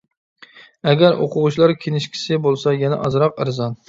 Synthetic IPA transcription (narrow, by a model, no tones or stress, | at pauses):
æɡʲæɾʔo̰qʰʊʁʊt͡ʃlˠɑɾkʲʰenɪʃkʲʰi̥sɪbolˠsɑjɛnɛ̰ʔɑzɾɑqɪɾzɑn